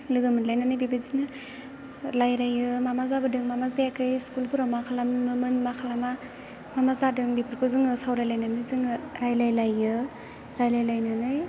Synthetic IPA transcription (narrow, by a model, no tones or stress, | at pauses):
lɯɡɯmɯnlajnanɯjbibizinɯ | lajɾajɯmamazabɯdɯŋmamazajakʰɯjskulpʰuɾawmakʰalamːɯmɯnmakʰalama | mamazadɯŋbipʰiɾkʰozɯŋɯsawɾajlajnanɯzɯŋɯɾajlajlajɯ | ɾajlajlajnanɯj